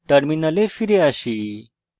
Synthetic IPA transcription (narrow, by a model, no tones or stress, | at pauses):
ʈəɾminəlefiɾeaɕiː